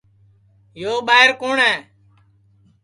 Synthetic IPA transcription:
joːɓaːɦɪɾkoːɳɛː

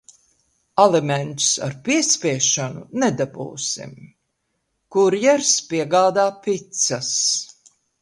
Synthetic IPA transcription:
alɛmɛnt̪u̥sa̰ɾpiɛspʲiɛʃanunɛd̪abṵːsḭm | kuɾjɛɾspiɛɡaːd̪aːpit̪sas

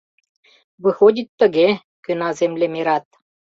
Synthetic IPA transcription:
βɨxodʲit̪ːə̆ɣe | kønɑzemlʲemeɾɑt̪̚

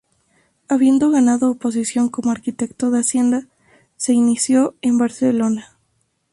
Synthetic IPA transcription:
aβje̞nd̪o̞ɣanaðoːpo̞s̬isjo̞ŋko̞moaɾkit̪e̞kt̪o̞ðeasje̞nd̪a | se̞inisjo̞e̞mbaɾselo̞na

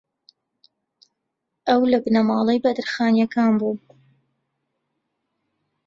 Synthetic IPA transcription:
ʔɐwlɐbnɐmɑːlˠejbɐd̪ɨɾxaːnjɐkaːnbuː

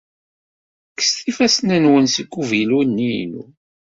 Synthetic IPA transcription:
kə̥st̪ifæsnənwənsiɡːuvilwunːinṵ

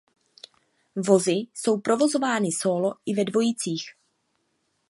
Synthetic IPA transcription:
vo̞zɪso̞wpɾo̞vo̞zo̞vaːnɪso̞ːlo̞ʔɪvɛdvo̞jit͡siːx

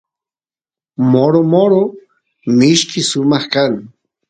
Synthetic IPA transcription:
moɾomoɾo | mɪʃkɪsʊmɑχkaŋ

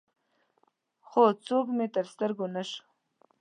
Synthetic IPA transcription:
χot͡sokmet̪əɾst̪əɾɡonaʂ

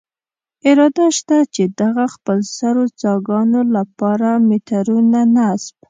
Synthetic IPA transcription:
ɪɾɑd̪aʃt̪at͡ʃed̪aɣaxpəlsaɾot͡sɑɡɑnolapɑɾamet̪aɾunanasb

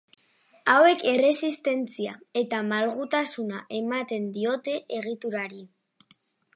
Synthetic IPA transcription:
awe̞ke̞re̞sist̪e̞nt͡siae̞t̪amalɣut̪asunaʔe̞mat̪e̞nd̪io̞t̪e̞ʔeɣ̞it̪uɾaɾi

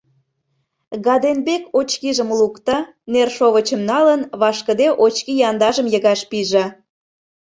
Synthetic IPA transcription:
ɣɑd̪enbekot͡ɕkiʒəmlukt̪ɑ | nerʃoβət͡ɕəmnɑlənβɑʃkə̆d̪eʔot͡ɕkijɑnd̪ɑʒəmjəɣɑʃpiʒɑ

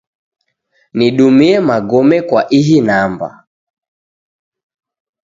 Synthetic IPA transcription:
niɗumiɛmaɡɔmɛkwaʔiɦinamba̰

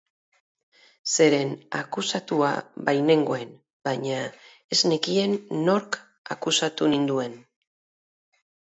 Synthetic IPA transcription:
se̞ɾe̞na̰kusat̪ua̰βajne̞ŋɡo̞e̞n | baɲa | ezne̞kie̞nːo̞ɾk | a̰kusat̪unind̪ue̞n

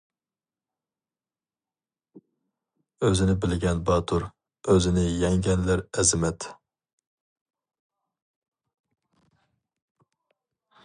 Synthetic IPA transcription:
øzɪnɪbɪlɡʲɛnbɑt̪ʰuɾ | øzɪnɪjɛŋɡʲɛnlæɾɛzɪmɛt̪

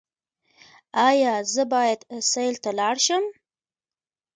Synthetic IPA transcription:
ɑjɑzəbɑjad̪sajlt̪alɑɽʃəm

